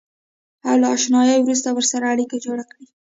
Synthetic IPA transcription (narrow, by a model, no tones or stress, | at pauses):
awlaɑʃnɑjawɾus̬t̪awəɾsaɾaːɽikad͡ʒoɽakɽi